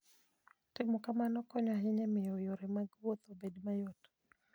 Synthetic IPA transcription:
tɛmukamanɔkɔɲwaɦiɲɛmɪɔjɔɾɛmaɡwɔt̪ɔbɛdmajɔtɔ̥

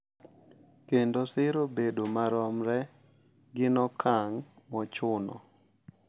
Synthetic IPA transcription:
kendosɪɾobedomaɾɔmɾɛ | ɡɪnɔkʰaŋ | mɔt͡ʃʊnɔ̰

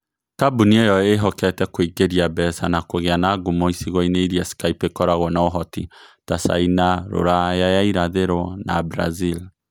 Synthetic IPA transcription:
kabuniejɔeɦɔkɛtɛkoiɡeɾiabɛsanakoɣeanaɡumoisiɣɔineiɾiasi̥kaipekɔɾaɣɔnaoɦɔtḭtasa̰inaɾo̰ɾajajaiɾaðeɾɔnabɾa̰zil

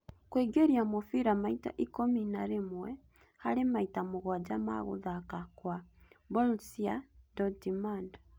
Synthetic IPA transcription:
kweɡeɾiamɔfiɾamaita̰ʔikominaɾemwɛ | haɾemaitamoɣwad͡ʒama̰ɣo̰ðakakwabɔlsiadɔdimand

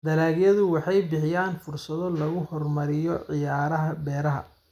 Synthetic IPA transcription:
d̪ɐlaːɣjɐðʊwɑħɑjbɪħɪjaːnfʊrsɐðɔlɐɣʊhɔrmɐɾɪjɔʕɪjaːɾɐɦɐbɛːɾɐɦɐ̰

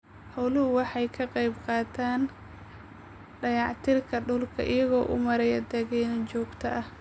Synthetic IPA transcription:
hɔwlʊhʊwɑħɑjkʰɐqɑjbqɑːt̪ʰaːn | ɖɐjɑʕt̪ʰɪrkʰɐɖʊlkʰɐ̰ʔɪjɐɣɔːʔʊ̰mɐɾɛjɐd̪ɛɣɛːnɐt͡ʃɔːɡt̪ʰɐʔɐh

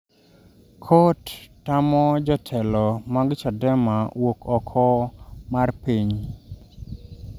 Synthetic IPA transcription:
kʰotː | amɔd͡ʒɔtʰɛlɔmaɡɪt͡ʃadɛmawokʰɔkʰɔmarpiɲ

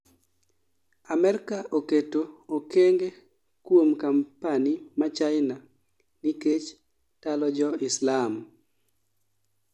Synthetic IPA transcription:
amɛɾkaʔoketookeŋɡe | kwomkampanimat͡ʃaɪna | niket͡ʃ | talɔd͡ʒɔɪslam

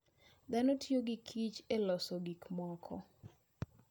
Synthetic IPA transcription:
d̪anotioɡikʰit͡ʃelɔsɔɡikmɔkʰɔ̰

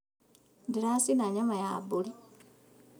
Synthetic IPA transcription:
ndiɾasinaɲamajabuli

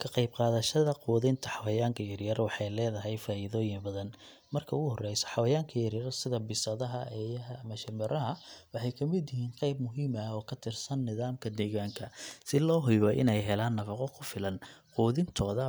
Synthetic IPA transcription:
kʰɐqɑjbqɑːðɐʃɐðɐquːðɪnt̪ʰɐħɑwɐjaːŋkʰɐjɐɾjɐrwɑħɑjlɛːðɐɦɛjfaːʔɪðɔːjɪmbɐðɐn | mɐrkʰɐʊɣʊhɔrɛjsɔ̥ħɑwɐjaːŋkʰɐjɐɾjɐɾsɪðɐbɪsɐðɐɦɐʔɛːjɐɦɐɐmɐʃɪmɛɾɐɦɐwɑħɑjkʰɐmɪd̪jɪɦiːnqɑjbmʊɦiːmɐɔːkʰɐt̪ʰɪrsɐnːɪðaːmkʰɐd̪ɛːɣaːŋkʰɐsɪlɔːɦʊjβɔʔɪ̰nɛjɦɛlaːnːɐfɑqɔkʰʊfɪlɐnquːðɪnt̪ʰɔːðɐ

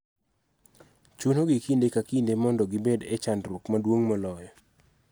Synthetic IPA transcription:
t͡ʃunoɡikindekakindemɔndɔɡɪbedɛt͡ʃandɾukmadwoŋmɔlɔjɔ

